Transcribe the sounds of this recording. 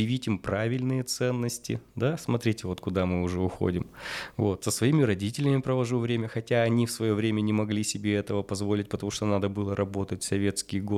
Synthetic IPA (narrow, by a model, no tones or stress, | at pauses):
ɪvʲitʲɪmpɾavʲɪlʲnɨjət̪sɛnːəsʲtʲɪ̰d̪asmɐt̪ɾʲitʲɪvo̞t̪kʊd̪amɨʊʐɛʊxo̰dʲɪmvo̞t̪səsvɐimʲɪɾɐdʲitʲɪlʲɪmʲɪpɾəvɐʐuvɾʲemʲəxɐtʲaɐnʲifsvɐjo̞vɾʲemʲənʲɪmɐɡlʲisʲɪbʲeɛt̪əvəpɐzvolʲɪtʲpət̪ɐmuʂt̪onad̪əbɨlˠəɾʔɐbo̞t̪ətʲsɐvʲe̞t̪skʲɪjɡo